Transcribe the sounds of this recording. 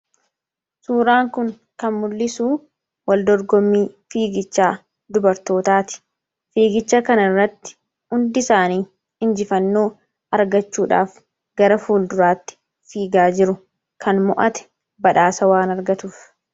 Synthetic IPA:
suːɾaːŋkʊŋ | kɐnmʊlːɪsuː | wɐld̪ɔɾɡɔmːiːfiːɡɪt͡ʃːaː | d̪ʊbɐɾt̪o̞ːt̪aːt̪ɪ̥ | fiːɡɪt͡ʃːɐkɐnɐrːɐt̪ːɪ̥ | ʊnd̪ɪsaːniː | ɪnd͡ʒɪfɐnːo̞ː | ɐɾɡɐt͡ʃːuːᶑa̰ːf | ɡ̥ɐɾɐfuːld̪ʊɾaːt̪ːɪ̥ | fiːɡaːd͡ʒɪɾʊ | kʰɐnmɔʔɐt̪ɛ̥ | bɐᶑaːsɐwaːnɐɾɡɐt̪uːf

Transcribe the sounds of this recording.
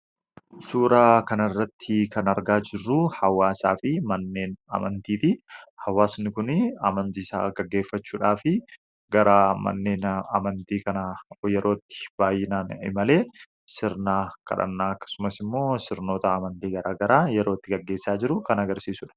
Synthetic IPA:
suːɾaːkɐnɐrːɐt̪ʰːɪkɐnɐɾɡaːd͡ʒɪrːʊhɐwaːsaːfɪmɐnːe̞ːnɐ̰mɐnt̪iːt̪ɪhɐwaːsnɪkʊnɐmɐnt̪iːsa̰ːɡɐɡːe̞ːfːɐt͡ʃːuːᶑaːfɪ | ɡɐɾamɐ̰nːeːnɐmɐnt̪iːkɐnjɛɾo̞ːt̪ːɪ̥b̥aːjːɪnaːnɪ̰mɐle̞ː | sɪɾnaːkɐ̰ᶑɐ̰nːaːɐkːɐ̥sʊmɐsɪmːo̞ːsɪɾno̞ːt̪ɐːmɐnt̪iːɡɐɾaːɡɐɾaːjɛɾo̞ːt̪ːɪɡɐɡːe̞ːsːaːd͡ʒɪɾʊkɐnɐɡɐɾsiːsʊᶑɐ̥

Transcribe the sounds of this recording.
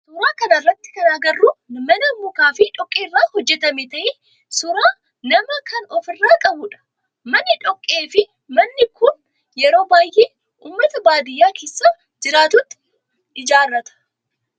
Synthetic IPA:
sʊɾaːkɐnɐrːɐt̪ːɪ̥kɐnaɡɐrːumɐnɐmːʊkaːfɪᶑɔkʼːeːrːaːhɔd͡ʒːɛt̪ɐmet̪ɐʔɪ | sʊɾaː | nɐmɐkʰɐnɔfɪrːaːkʼɐbʊᶑɐ̥ | mɐnːɪᶑɔkʼːeːfɪ | mɐnːɪkʊn | jɛɾo̞ːbaːjʔeː | ʔuːmːɐt̪ɐbaːd̪ɪjːaːkeːsːaː | d͡ʒɪɾaːt̪ʊt̪ːɪ̥ | ɪd͡ʒaːrːɐt̪ɐ̥

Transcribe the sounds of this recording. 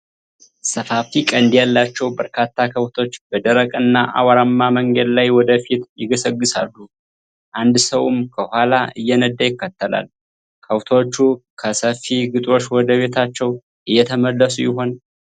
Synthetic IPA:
səfafikʼənd̪ijalːat͡ʃːɛwbəɾkʰat̪ʰːakʰəwt̪ʰo̞t͡ʃːbəd̪əɾəkʼɨnːaʔa̰waɾamːaməŋɡəd̪lajwɔd̪əfit̪jɪɡəsəɡːɨsa̰lːu | ʔand̪səwmkʰəhʷalaʔɨjːɛnəd̪ːajɪkːət̪ːəla̰l | kʰəwt̪ʰo̞t͡ʃːukʰəsəfiɡɨt̪ʼo̞t͡ʃːwɔd̪əβe̞t̪ʰat͡ʃːɛw | ʔɨjːɛt̪ʰəməlːəsujɪɦo̞n

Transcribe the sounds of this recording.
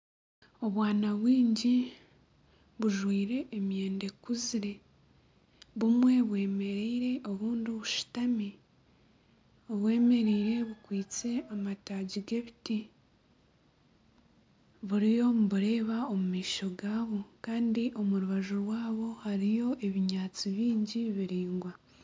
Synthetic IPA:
o̞βwaːnaβwiːɲɟi | βuʒwiːɾe̞ʔːmje̞ːnde̞kuziɾe̞ | βumwe̞βwe̞ːme̞ɾiːɾe̞ʔo̞βuːndioβuʃu̥tami | oβwe̞ːme̞ɾiːɾe̞βukwiːt͡se̞amataːɟiɡe̞βiti | βuɾijo̞muβuɾe̞ːβaomumiːʃo̞ɡaːβo̞kaːndiʔo̞muɾuβaʒuɾwaːβo̞haɾijo̞ʔe̞βiɲaːt͡siβiːɲɟiβiɾiːŋɡwa

